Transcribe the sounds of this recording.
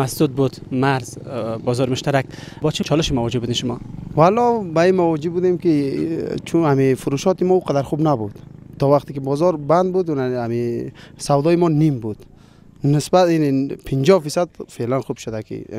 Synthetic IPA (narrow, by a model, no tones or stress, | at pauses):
masd̪ud̪̚bud̪maɾzbɔːzɔɾmʊʃt̪aɾak | bɔt͡ʃʰit͡ʃʰɔlɪʃimavɔd͡ʒɪbud̪inʃʊmɔvalɔbaimawɔd͡ʒibud̪emkit͡ʃʰunamifʊɾuʃɔt̪imɔuqad̪aɾxubnabud̪̥t̪ɔvaχt̪ikibɔzɔɾband̪̚bud̪unamisawd̪ɔimɔnimbud̪̥ | nɪsbat̪inipʰɪnd͡ʒɔfisad̪felanxub̥ʃʊd̪akʰḭ